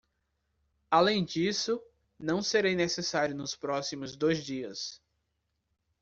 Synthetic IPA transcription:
alẽj̃d͡ʒisʊ | nɐ̃w̃seɾejnesesaɾjʊnʊspɾɔsimʊzd̪ojzd͡ʒiɐs

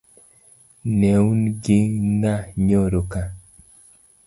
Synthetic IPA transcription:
nɛunɡɪnaɲoɾoka

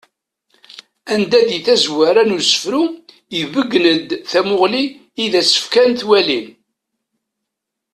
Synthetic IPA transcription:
ænd̪æðiθæzwaɾænusə̥fɾu | jəvəɡːnəd̪θæmʊʁliː | ðæsə̥fkænt̪wælin

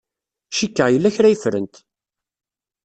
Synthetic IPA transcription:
ʃikːəjəlːæçɾæjifɾə̰nt̪

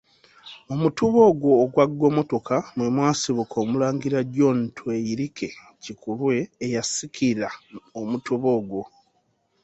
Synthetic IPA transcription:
omutuβo̞ːɡwo̞ːɡwaɡːwo̞ːmo̞to̞kamwemwaːsiβukʰo̞ːmulaːŋɡiɾaɟo̞ntʰwejiɾikʰe̞ | cikulwe̞ːjasikʰiɾaomutuβo̞ːɡwo̞

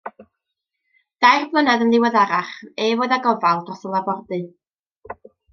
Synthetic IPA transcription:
d̥ajrblˠənɛðənlˠɪwɛðaɾaχeːvoːðaɡɔvalˠdrɔsəlˠabɔrdɨ

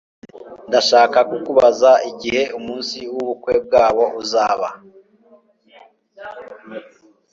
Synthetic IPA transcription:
ndaʃaːkakukuβazaiɟihe̞umuːnsiwuβukwe̞b̚ɡaːβo̞uzaːβa

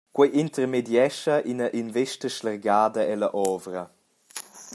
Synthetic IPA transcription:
kwɛjʔint̪əɾmedjɛʃɐʔinɐʔinveʃtəʃlɛrɡaːd̪ɐɛlɐʔɔvɾə

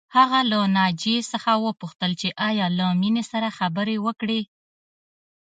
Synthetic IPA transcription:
haɣalanɑd͡ʒesəxawəpuxt̪əlt͡ʃeʔɑjɑlaminesaɾaxabəɾewəkɽe

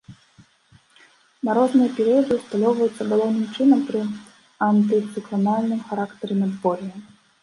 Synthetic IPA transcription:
nɐɾɔznɨjɐpʲɛɾɨjɐd̪ɨwst̪alʲɔwvɐjut̪sːɐbɨlˠɔwnɨmt͡ʂɨnɐmpɾɨ | ɐnt̪ɨt̪sɨklˠanalʲnɨmxaɾakt̪ɐɾɨmʲɛd̪bɔɾʲijɐ

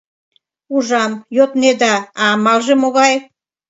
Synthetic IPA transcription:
uʒɑmjot̪ned̪ɑːmɑlʒemoɣɑj

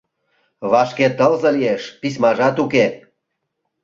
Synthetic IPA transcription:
βɑʃket̪əlzə̆lieʃpis̬mɑʒɑt̪uke

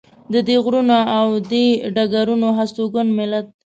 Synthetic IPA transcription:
d̪əd̪eɣɾunaːwd̪eɖaɡaɾunoɦast̪oɡʊnmɪlat̪̚

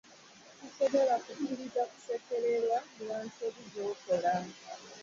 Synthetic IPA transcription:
kuso̞βo̞lakukiɾizaku̥sekeɾe̞ɾwamuwaːnsoβizoːkolaːmka

